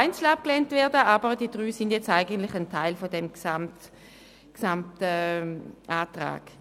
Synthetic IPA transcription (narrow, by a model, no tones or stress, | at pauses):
aɪnt͡sl̩ap̚klɛntvɛːɐdəʔaːbəʁd̥iːəd̥ʁyːsindjɛt͡staɪɡəntlɪçantʰaɪlfɔdɛmɡsamt | ksamtɛ | ʔaːtʁa̰ːɡ̥